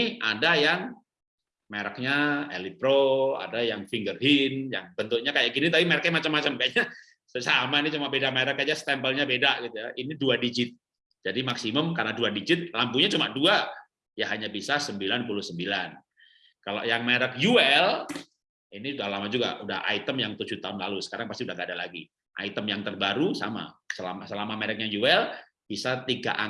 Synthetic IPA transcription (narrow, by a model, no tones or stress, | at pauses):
ʔadajaŋ | meɾək̚ɲaḛlipɾoa̰dajaŋfiŋɡərɦinjaŋbənt̪ʊk̚ɲakajaʔɡinit̪apimaɾək̚ɲamat͡ʃamːat͡ʃəmkaɲa | səsamanit͡ʃumaʔbedameɾəkːad͡ʒast̪ɛmpəlɲabedaʔɡit̪ujaʔiniduadid͡ʒɪt̪̚ | d͡ʒadimaksiməmkarnaduadid͡ʒɪt̪̚lampuɲat͡ʃumaʔdua | jaɦaɲabisasəmbilanpulʊhsəmbilan | kalo̰ʔjaŋmeɾək̚juɛl | iniudahlamad͡ʒuɡa̰uda̰ha̰it̪əmjaŋt̪ud͡ʒut̪aʊnlalusə̥kaɾaŋpast̪iudaɦɡadalaɡḭ | ʔa̰it̪əmjaŋt̪ərbaɾusa̰ma̰səla̰masəlamameɾək̚jaŋjuɛl | b̥isat̪iɡa̰ʔa